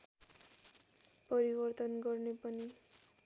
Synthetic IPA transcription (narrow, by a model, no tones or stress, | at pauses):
pʌɾibʌrt̪ʌnɡʌrnepʌni